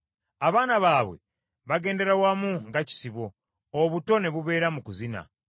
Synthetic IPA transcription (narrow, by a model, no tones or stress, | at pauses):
aβaːnaβaːβwe̞̰ | βaɡe̞ːnde̞ɾawamuŋɡaci̥siβo̞ː | βuto̞ne̞βuβe̞ːɾamukuzina̰